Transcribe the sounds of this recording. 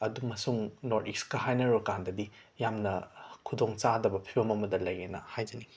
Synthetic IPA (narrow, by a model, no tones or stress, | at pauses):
ɐdumɐsuŋnoɾtikskɐɦajnɐɾokandɐdijamnɐkʰudoŋt͡ʃadɐbɐpʰibɐmɐmɐdɐlɐjenɐ̰hajd͡ʒɐni